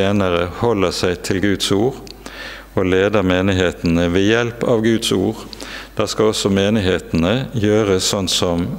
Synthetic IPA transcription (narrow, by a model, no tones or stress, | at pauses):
eːnəʁəhɔləsæɪt̪ʰɪlɡʉːd̪suːʁ | oːleːd̪əʁmeːnɪɦeːt̪n̩əʋeːjɛlpɑːʋɡʉːd̪suːʁd̪̥æːʁskɑɔsɔmeːnɪɦeːt̪n̩əjøːʁəsːɔnsɔm